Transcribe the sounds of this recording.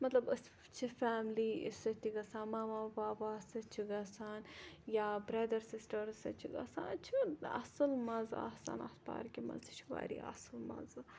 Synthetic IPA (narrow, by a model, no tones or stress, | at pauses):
mɐt̪lɐbɐs | t͡ʃʰifaːmliḭsɐt̪iɡɐsaːnmaːmaːbaːbaːsɐt͡ʃʰiɡɐsaːnjaːbɾɐd̪ɐɾsisʈɐɾsɐ̰t͡ʃʰiɡɐ̰sa̰ːnt͡ʃʰiɐ̰sɨlmɐza̰hsa̰ːnat̪pa̰ːɾkimɐ̰zit͡ʃʰuba̰ːɾḭa̰sɨlmɐ̰z